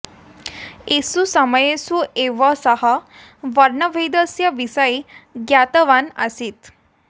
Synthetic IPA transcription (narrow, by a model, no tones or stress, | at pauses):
esusəməjesueʋəsəɦa | ʋəɾɳəʋʱəjd̪əsjəʋisəjɡjat̪əʋanə̰sit̪